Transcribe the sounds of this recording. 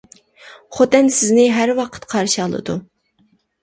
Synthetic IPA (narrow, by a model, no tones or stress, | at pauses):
χot̪ɛnsɪznɪɦæɾwɑqʰə̥t̪qʰɑɾʃɑlˠɨ̰d̪u